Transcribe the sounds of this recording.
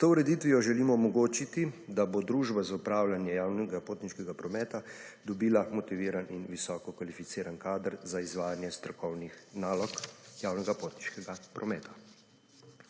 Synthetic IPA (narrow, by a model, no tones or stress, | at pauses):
t̪ouɾɛd̪it̪ʋijɔʒɛliːmɔɔmɔɡoːt͡ʃit̪id̪abod̪ɾuʒbazaupɾaːwlanjɛjaːwnɛɡapoːt̪niʃkɛɡapɾɔmɛːt̪a | d̪ɔbiːlamɔt̪iʋiːɾaninʋisɔːkɔkʋalifit̪siːɾankaːd̪əɾzaizʋaːjanjɛst̪ɾɔkɔwnixnaːlɔkjawnɛɡapoːt̪niʃkɛɡapɾʔɔmɛːt̪ʰḁ